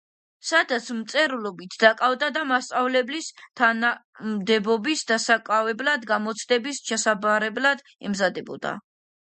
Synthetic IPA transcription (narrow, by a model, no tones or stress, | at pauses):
sad̪at̪sʰmt̪sʼɛɾulɔbit̪ʰd̪akʼavd̪ad̪amast̪sʼavlɛblist̪ʰana | md̪ɛbɔbisd̪asakʼavɛblad̪ɡamɔt̪sʰd̪ɛbist͡ʃʰɛsabaɾɛblad̪ | ɛ̰mzad̪ɛbɔ̰d̪a̰